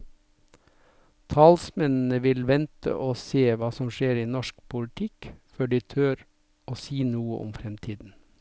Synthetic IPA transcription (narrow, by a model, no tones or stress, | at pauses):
t̪ʰɑːlsmɛnn̩əʋɪlʋɛnt̪ʰə̰ʔoːseːʋɑːsɔmʃeːɾiːnɔʃk̚pʰʊlt̪ʰɪkføːɖiːt̪ʰøːɾ | oːsiːnuːəʔʊ̰mfɾɛmt̪ʰiːd̪n̩